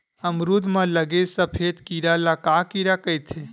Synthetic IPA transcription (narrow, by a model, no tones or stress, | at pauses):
əmɾud̪ʱmãləɡesəpʰet̪kiɾalakakiɾakəjt̪ʰe